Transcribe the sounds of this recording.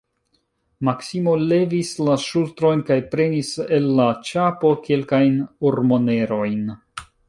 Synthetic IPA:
maksimo̞le̞vislaʃultɾo̞jnkajpɾe̞nise̞lːat͡ʃapo̞ke̞lkajnoɾmo̞ne̞ɾo̞jn

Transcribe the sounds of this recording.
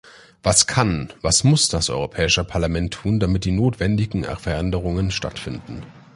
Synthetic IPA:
v̥askʰanvasmʊsd̥asʔɔ̰ʏʁopʰɛːɪʃəpʰaɐlamɛntʰːuːndamɪt̚d̥iːnoːtv̥ɛndɪɡŋ̩ɛ̰fɛɐɛndəʁ̞ʊŋənʃta̰tfɪndn̩

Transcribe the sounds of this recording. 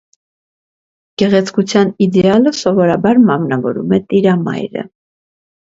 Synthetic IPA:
ɡ̥ɛʁɛt͡sʰkut͡sʰjɑnid̪ɛɑləsɔvɔɾɑbɑɾmɑmnɑvɔɾumɛt̪iɾɑmɑ̰jɾə̰

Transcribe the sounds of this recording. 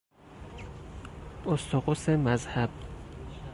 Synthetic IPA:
ʔost̪ʰoɣosemæzhæb̥̚

